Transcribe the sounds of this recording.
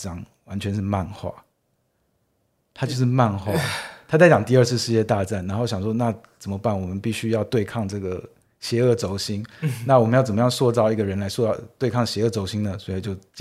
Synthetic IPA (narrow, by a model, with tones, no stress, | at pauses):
ʈ͡ʂɑ˥ŋ | wa˧˦nt͡ɕʰɥɛ˧˥nʂɻ̩˥˧ma˥˧nxwa̰˥˩ | t̪ʰa˥t͡ɕjo˥˧ʊʂ̬ɻ̩˥˧ma˥˧nxwa̰˥˨˩t̪ʰa˥t͡sa˥˩t͡ɕɑ˨˩ŋt̪i˥˧ə˥˧sʰɹ̩˥˧ʂɻ̩˥˧jɛ˥˧t̪a˥˧ʈ͡ʂa˥˩nna˧˥nxo˥˩ʊɕjɑ˨˩ŋʂwɔ˥na˥˩ | t͡sə˨˩mə˦pa˥˩nwɔ˨˩mə˨˦npi˥˩ɕy˥jɑ˥˧ʊt̪we˥˧ɪkʰɑ˥˧ŋʈ͡ʂɤ˥˩ɡə˩ | ɕjɛ˧˥ɤ˥˩t͡so˧˥ʊɕi˥ŋna˥˩wɔ˨˩mə˦njt͡sə˨˩mə˦jɑ˥˧ŋswɔ˥˧t͡sɑ˥˧ʊi˥˩ɡə˩ɻə˧˦˥nla˧˥ɪswɔ˥˧ɑ˥˧˩t̪we˥˧ɪkʰɑ˥˩ŋɕjɛ˧˥ɤ˥˩t͡so˧˥ʊɕi˥ŋd̪ə˨swɔ˧˥i˨˩t͡ɕjo˥˧ʊt͡ɕ